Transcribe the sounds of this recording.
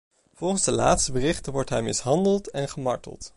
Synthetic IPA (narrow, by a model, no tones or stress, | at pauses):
v̥ɔlˠχənzdəla̰ːtstəbərɪχtəʋɔɹtɦɛjmɪsɦɑndəlˠtɛnχəmɑ̰ɹtə̰lˠt